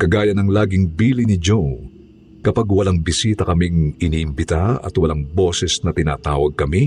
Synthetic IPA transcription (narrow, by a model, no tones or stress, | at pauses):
kɐɡaːjɐnɐŋlaːɡɪŋbiːlinɪd͡ʒo | kɐpaɡwɐlɐŋbɪsiːt̪ɐkɐmiŋɪniːʔɪmbɪt̪aɐ̰t̪wɐlaŋbo̞ːsɛsnɐt̪ɪna̰ːt̪a̰ːwɐɡ̚kɐmi